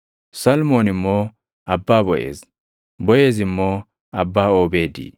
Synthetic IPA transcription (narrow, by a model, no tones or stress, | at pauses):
sɐlmoːnɪmːo | ɐbːaːbɔjʔḛːz | bɔje̞ːzɪmːo | ɐbːaːoːbe̞ːd̪ḭː